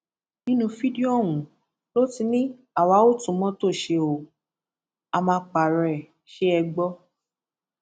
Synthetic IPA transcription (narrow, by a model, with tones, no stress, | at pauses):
nĩ˦nũ˧fi˦di˦o˦˨wũ˨ | lo˦ti˧˦nĩ˦ | a˦˨wa˨˦o˦˨tũ˨˦mɔ̃˦to˦˨ʃe˧o˨ | a˧mã˧k͡pa˨ɾɛ˨ | ʃe˦ɛ˧ɡ͡bɔ˦